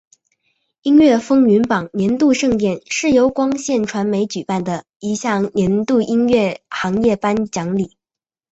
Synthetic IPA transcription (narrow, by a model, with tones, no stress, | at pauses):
i˥nɥɛ˥˩fɤ˥ŋy˧˥npɑ˨˩ŋnjɛ˧˥nt̪u˥˧ʂɤ˥˧ŋt̪jɛ˥˩nʂɻ̩˥˩jo˧˥ʊkwɑ˥ŋɕjɛ˥˩nʈ͡ʂʰwa˧˥nme˧˥ɪt͡ɕy˨˩pa˥˩nd̪ə˩ | i˧˥ɕjɑ˥˩ŋnjɛ˧˥nt̪u˥˩ʔi˥nɥɛ˥˩xɑ˧˥ŋjɛ˥˩pa˥nt͡ɕjɑ˧˥ŋli˨˩˦